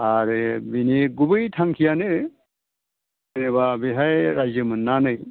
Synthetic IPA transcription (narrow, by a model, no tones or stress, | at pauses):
aɾɯbiniɡubɯjtʰaŋkʰijanɯ | enebabiɦajɾajzəmɯnːanɯj